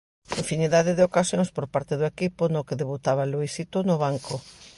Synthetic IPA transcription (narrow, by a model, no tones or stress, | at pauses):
eɱfiniðaðeðɪokasjõŋspoɾpaɾt̪eðʊekipʊnokeðeβut̪aβaluisit̪onʊβaŋkʰo